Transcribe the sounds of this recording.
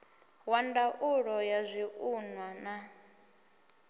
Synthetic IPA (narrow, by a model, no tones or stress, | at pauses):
wandaʔuɺɔjazʷiʔunwana